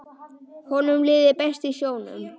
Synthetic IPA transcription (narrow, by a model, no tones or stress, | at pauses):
hɔnʏmlɪːðɪpɛst̪isjoːwnʏ̰m